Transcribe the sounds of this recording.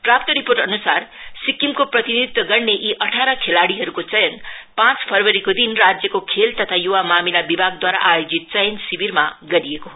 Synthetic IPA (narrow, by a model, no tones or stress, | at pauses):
prapt̪ʌɾiporʈʌnusarsikːimkoprʌt̪inid̪it̪wʌɡʌrneʔiʔʌʈʰaɾʌkʰelaɽiɦʌɾukot͡sʌjʌnpãt͡spʰʌrwʌɾikod̪inrad͡zjʌkokʰelt̪ʌt̪ʰajuwamamilabibʱaɡ̚d̪waɾa̰ʔajod͡zit̪̚t͡sʌjʌnsibirmaɡʌɾijekoɦo